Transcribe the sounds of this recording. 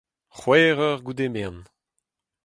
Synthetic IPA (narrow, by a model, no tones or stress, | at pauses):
χwɛːʁœʁɡud̪emen